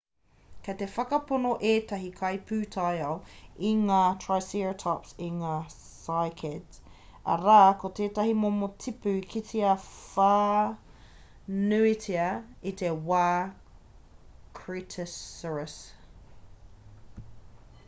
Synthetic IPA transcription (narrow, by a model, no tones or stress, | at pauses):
kʰɐt̪efɐkɐponoʔeːt̪ɐɦikʰɐjpʰʉːtʰajɐliŋaːtʰɹajsiɹotʰɔpsiŋaː | sajkʰɛd | ɐ̰ɾaːkot̪eːtɐɦimomotʰipʉkʰitiɐfa | nʉitʰiɐitewaː | kʰɹitʰəsəɹəs